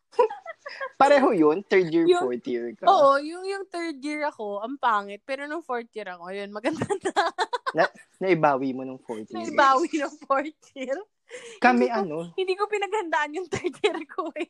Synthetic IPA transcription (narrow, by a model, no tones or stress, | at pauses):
pɐɾɛːɦojont̪ɛɹd̪jiɹjʊoɹt̪iɹkʔoːʔojʊŋjʊŋt̪ɛɹd̪jiɹɐko̞ɐmpaːŋɛt̪̚pɛːɾonʊŋfoɹt̪̚jiɾɐkoɐjonmɐɡɐnd̪ɐd̪anɐnɐʔɪbaːwimonɐŋfoɹt̪ɐʔɪbaːwinɐŋfoɹt̪jiɾ | kɐmɛʔɐnohɪ̃nd̪iːkopɪnɐɡ̚hɐnd̪aʔɐnjʊŋt̪ɛɹt̪jiɾkʰoɛ